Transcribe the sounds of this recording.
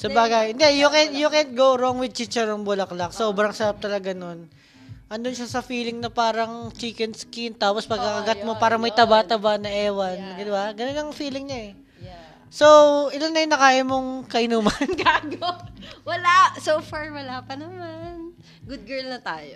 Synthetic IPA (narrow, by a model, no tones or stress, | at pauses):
sɐbaːɡaɪnd̪ɛjʊkɛnjʊkɛnt̪̚ɡowɾoŋwɪd̪̚t͡ʃit͡ʃɛɹoŋbʊlɐklɐksobɾɐŋsɐɾap̚t̪ɐlɐɡɐno̞n | ʔɐnd̪ʊnʃasɐfiːlɪŋnɐpaːɾɐŋt͡ʃiːkɛnskint̪aːpospɐɡ̚kɐkɐɡat̪̚mo̞paːɾɐmɐjt̪ɐbaʔt̪ɐbanɐʔɛːwɐnɡɪnɐwaɡɐnonɐŋfiːlɪŋɲaʔɛ | sowʔɪlanːɐjʊŋnːɐkaːʔɪmoŋkɐʔɪnuːmɐnɡaɡowɐlasofaɹwɐlapɐnɐman | ɡʊd̪̚ɡɛɹlnɐt̪aːjo